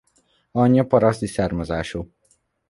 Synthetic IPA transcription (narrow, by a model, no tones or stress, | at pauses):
ɒɲːɒpɒɾɒst̪isaːrmɒzaːʃoː